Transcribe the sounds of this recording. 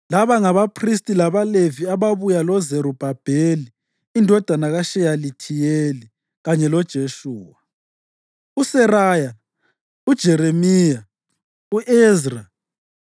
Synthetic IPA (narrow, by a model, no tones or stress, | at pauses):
laβaŋaβapʰris̬tʼilaβaleviaβaβujalɔzeɾub̥ʱab̥ʱeliː | ndʱɔd̥ʱanaɣaʃɛjalitʰijeli | ɣaɲɛlɔd̥ʒ̥ʱeʃuːwa | usɛraːja | ud̥ʒ̥ʱɛɾemiːja | uʔɛzra